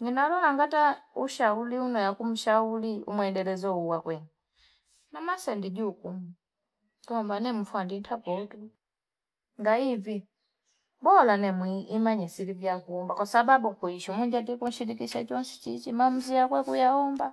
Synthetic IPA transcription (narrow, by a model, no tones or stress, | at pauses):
ɲinalɔlaŋɡatauʃauliunɔjakum̩ʃauliṵmwɛdɛlɛzɔuwakwɛŋɡi | namasɛndiɟukum | tɔmbanɛm̩fwanditʰapɔtu | ŋɡaivi | bɔlanɛmwiːmaɲɛsilivjakuːmbakwasababukuiʃɔmuɲd͡ʒadikun̩ʃilikiʃat͡ʃɔnsɛ̥t͡ʃit͡ʃimam̩ziakwɛkujaɔmba